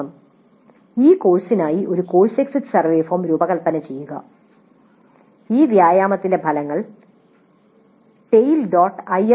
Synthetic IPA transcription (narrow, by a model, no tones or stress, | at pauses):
ɐm | iːkoːɻsinaːjiʔo̞ɾuko̞ːɻseksitːsɐrʋeːfoːmɾuːbɐɣɐɭpɐnɐt͡ɕe̞jːuɣɐ̰ | iːʋjaːjaːmɐt̪ːinde̞bʱɐlɐŋːɐɭ | ʈe̞jilɖoːʈːɐje